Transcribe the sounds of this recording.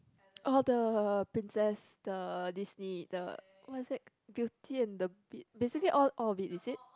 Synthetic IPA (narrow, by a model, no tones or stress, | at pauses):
ʔɔldəpɹĩnsɛs | d̥ədisnidə̰ | wɔtisdɛt̚ | bitʰiɛ̃ndəbitbesikəliʔɔlʔɔlvitisit̚